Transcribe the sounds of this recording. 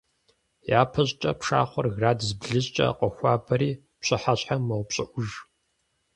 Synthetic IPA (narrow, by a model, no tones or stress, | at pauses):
jaːpʰɐɕʼt͡ʃʼɐpʂa̰ːχʷɔrɣraːdzbɮɨɕt͡ʃʼɐ̰qʷʼɔxʷaːbɐɾiː | pɕʼɨħaɕħamɐwpɕʼɪʔʷʊʒ